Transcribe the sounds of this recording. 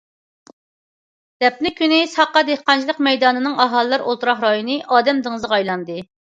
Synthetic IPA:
d̪̥ɛp̚nɪkʲʰynɪsɑqːɑd̪ehqɑnt͡ʃʰlˠəqmɛjd̪ɑːnɨnɨŋɑɦɑlˠɨːɑɾolˠt̪uɾɑχɾɑjunɨʔɑːd̪ɛmd̪ɨŋɨzʁɑjlˠɑnd̪ɨ

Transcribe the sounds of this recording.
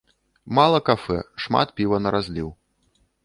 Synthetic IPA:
malˠɐkafɛ̰ʂma̰t̪̚pʲivɐnɐɾazʲlʲiw

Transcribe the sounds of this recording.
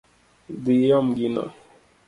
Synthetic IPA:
d̪iɔmɡina̰

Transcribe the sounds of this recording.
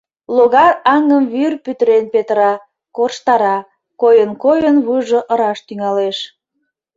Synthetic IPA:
loɣɑɑŋəmβyrpyt̪əɾenpet̪əɾɑ | korʃt̪ɑɾɑ | kojənkojənβuʒoʔə̆ɾɑʃt̪yŋɑleʃ

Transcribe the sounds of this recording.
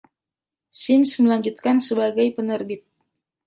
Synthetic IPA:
sɪmsməlaɲd͡ʒut̪̚kansəbaɡajpənərbɪt̪̚

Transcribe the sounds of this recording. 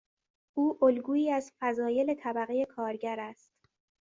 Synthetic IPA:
ʔuːʔolɡuːiːæzfæzɒːje̞le̞t̪ʰæbæɣeje̞kʰɒːɾɟæɾæst̪

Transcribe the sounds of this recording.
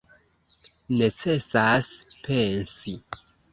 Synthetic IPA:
ne̞t͡se̞saspʰe̞nsi

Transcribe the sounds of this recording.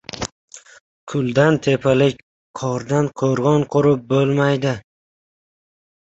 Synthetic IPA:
kʰʊlˠd̪ant̪ʰe̞pʰalɪk̚ʲ | qʰɒɾd̪anqʰoɾʁɒnqʰʊɾɪp̚bolˠmajd̪ɪ

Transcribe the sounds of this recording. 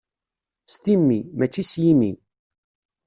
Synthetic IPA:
st̪imːimæt͡ʃːisjimḭ

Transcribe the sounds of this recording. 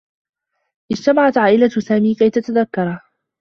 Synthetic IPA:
ʔɪd͡ʒt̪amaʕat̪ʕaːʔɪlasaːmiːkajt̪at̪aðakːɑɾˤ

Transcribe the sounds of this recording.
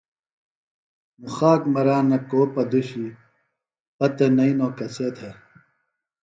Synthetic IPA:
muxaːkmɐɾaːnːɐkoːpɐd̪uɕi | pɐt̪enɐinoːkɐseːt̪ʰe

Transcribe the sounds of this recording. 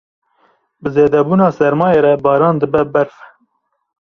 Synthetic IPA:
bɨzeːd̪ɛbuːnɑːsɛɾmɑːjeːɾɛbɑːɾɑːnd̪ɨbɛbɛɾfɛ̥

